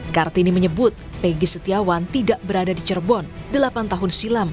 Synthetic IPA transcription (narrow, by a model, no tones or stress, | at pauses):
kart̪iniməɲəbʊt̪̚ | peɡisət̪iawant̪idaʔbəɾadadit͡ʃərbɔndəlapant̪aɦʊnsilam